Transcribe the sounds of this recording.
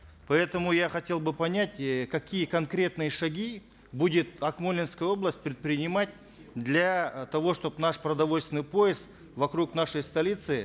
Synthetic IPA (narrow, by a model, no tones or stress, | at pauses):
pɐɛt̪əmʊjaχɐtʲe̞lˠbɨpɐnʲætʲkɐkʲijəkɐnkɾʲe̞t̪nɨjəʂɐɡʲi | budʲɪt̪̚ɐkmolʲɪnskəjəo̞blˠəsʲt̚ʲpɾʲɪt̪̚pɾʲɪnʲɪmat̚ʲ | d̪lʲat̪ɐvo̞ʂt̪o̞pnaʂpɾɐd̪ɐvo̞lʲst̪vʲɪnɨjpo̞jɪsk | vɐkɾuknaʂəjst̪ɐlʲit̪sɨ